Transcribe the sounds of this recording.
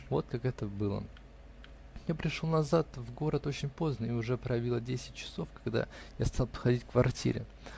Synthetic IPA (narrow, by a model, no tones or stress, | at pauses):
vo̞̰t̪̚kakɛt̪əbɨlˠə̰ | japɾʲɪʂlonɐzat̪vɡo̞ɾət̪o̞t͡ɕɪnʲpo̞znəɪʊʐɛpɾəjɐvʲilˠədʲesʲɪ̥t̚ʲt͡ɕɪ̥so̞fkɐɡd̪a̰jast̪ɑlˠpxɐdʲitʲkvɐrtʲḭɾʲɪ̰